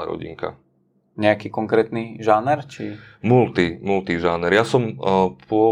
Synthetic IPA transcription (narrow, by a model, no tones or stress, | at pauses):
a̰ɾɔ̰ɟḭŋka̰ | ɲɛakiːkɔŋkɾɛːt̪niʒaːnɛɾt͡ʃi | mult̪imult̪iʒaːnɛɾjasɔmpʰʊɔ